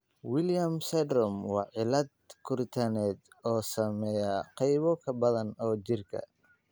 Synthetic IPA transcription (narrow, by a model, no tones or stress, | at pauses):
wɪljɐmsɛd̪ɾɔmwɑːʕɪlɐd̪̚kʰʊrt̪ʰɐnɛːd̪ | ɔːsɐmɛjɐqɑjβɔkʰɐbɐðɐnɔːt͡ʃɪrkʰɐ̰